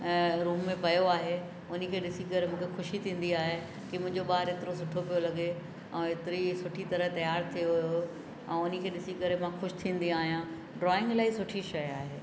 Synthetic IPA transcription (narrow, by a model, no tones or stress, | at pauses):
ɾuːmːẽpɐjoaːɦe | ʊnikʰeːɗɪsikɐɾemũːkʰexʊʃit̪ʰĩːn̆d̪iaːɦe | kimʊ̃ɦɪ̃ɲd͡ʑoɓaːɾet̪ɪɾos̬ʊʈʰopijolɐɠe | ɛ̃ːet̪ɪɾisʊʈʰit̪ɐɾət̪ɐjaːɾt̪ʰijoɦʊjo | ɛ̃ːʊnikʰeːɗɪsikɐɾemãxʊʃt̪ʰĩːn̆d̪iaːɦijã | ɖɾɔːɪ̃ŋɡlaːisʊʈʰiʃɐjaːɦeː